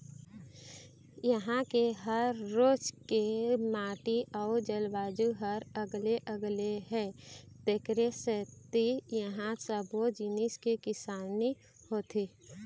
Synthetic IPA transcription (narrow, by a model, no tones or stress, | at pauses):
jəɦãkeɦəɾːoːd͡ʒkemaːʈiʔaʊd͡ʒəlbaːd͡ʒuɦəɾəɡleʔəɡleɦɛː | t̪ekɾeset̪ijəɦãsəbod͡ʒɪniskekɪsaːni | hoːt̪ʰeː